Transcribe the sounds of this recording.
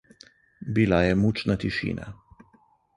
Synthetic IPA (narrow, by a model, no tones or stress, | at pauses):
bilajɛmut͡ʃnat̪iʃḭːna̰